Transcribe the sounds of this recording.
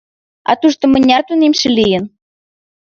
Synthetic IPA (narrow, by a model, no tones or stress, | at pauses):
ɑ̰t̪uʃt̪ŏmə̆nʲɑt̪unemʃĕlijə̆n